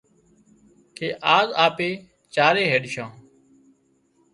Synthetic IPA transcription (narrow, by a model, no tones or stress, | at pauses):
kʰeːʔaːzaːpeː | t͡ʃaːɾeːɦeːɗʃãː